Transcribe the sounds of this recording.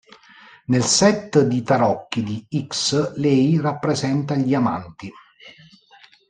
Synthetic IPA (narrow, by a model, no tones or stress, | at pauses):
nelsɛt̪ːd̪it̪aɾɔkːid̪iikslɛjrapːɾezɛnt̪aʎiama̰nt̪i